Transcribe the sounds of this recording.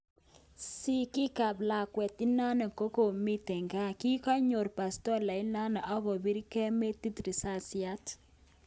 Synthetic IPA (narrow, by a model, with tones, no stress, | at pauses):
si˦ki˦ka˨bla˨kwɛ˨ti˦na˦na˨ko˦ko˨mi˦tɛ˨ŋɡa˦ki˦kɔ˦ɲo˨ɾpa˨stɔ˦la˨ɪ˦na˦na˨ʔɔ˦kɔ˨bi˦ɾi˦kɛ˦me˦ti˦tɾi˨sa˦˨si˨a˦t